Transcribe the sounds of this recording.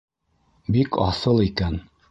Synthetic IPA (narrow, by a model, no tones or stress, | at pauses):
bikɑ̰sɤlˠikæn